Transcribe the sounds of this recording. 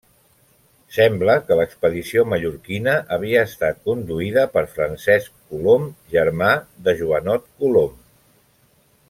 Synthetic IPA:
sɛmbləkələkspəðisioməʎuɾkinəʔəβiəːst̪at̪̚kund̪uiðəpəɾfɾənsɛskkulomʒəɾmaðəʒuənɔt̪̚kulom

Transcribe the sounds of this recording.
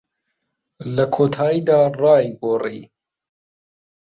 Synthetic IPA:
lɐkʰoːt̪ʰaːjid̪aːrˤɑːjɡoːrḭː

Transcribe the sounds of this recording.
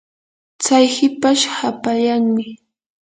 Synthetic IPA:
t͡sajhɪpaʃhapaʎaŋmɪ

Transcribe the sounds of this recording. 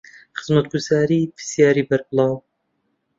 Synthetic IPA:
χɨzmɐt̪̚ɡuzaːɾiːpʰɨ̥sjaːɾiːbɐɾbɨlˠɑːw

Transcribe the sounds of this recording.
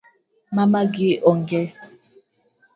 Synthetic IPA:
mamaɡiɔŋɡɛ

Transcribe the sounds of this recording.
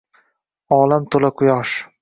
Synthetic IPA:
ɒːlamt̪ʰolaqʰʊjɒʃ

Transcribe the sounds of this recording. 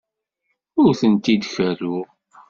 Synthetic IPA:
ʊɾθənt̪id̪çæɾʊ

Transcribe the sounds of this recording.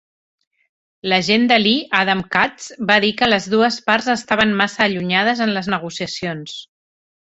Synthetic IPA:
ləʒend̪əliʔaðamkat͡sbaðikələzðuəspaɾzəst̪aβ̞ənmasəːʎuɲað̞əzənləznəɣ̞usiəsions

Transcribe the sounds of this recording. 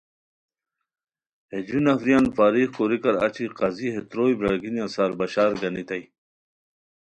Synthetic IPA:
hed͡ʑunɐfɾijaːnfaːɾiːχkoɾikɐɾa̰t͡ɕʰiqɑziɦet̪ɾoːjbɾɐɽɡinjãsaːɾbɐɕaːɾɡɐnit̪ɐj

